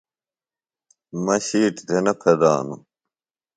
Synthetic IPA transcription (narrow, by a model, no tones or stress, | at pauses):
mɐɕiːʈd̪enɐpʰɐd̪aːnu